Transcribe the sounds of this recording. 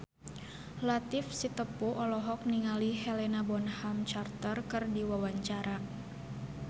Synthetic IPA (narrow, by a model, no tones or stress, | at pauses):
lat̪ifsit̪əpuʔɔlɔɦɔk̚niŋalihɛlɛnabɔnhamt͡ʃart̪ərkərdiwawaɲt͡ʃaɾa